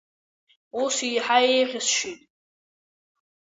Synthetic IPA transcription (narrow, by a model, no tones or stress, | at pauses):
usijħaejʁʲɪsʃitʼ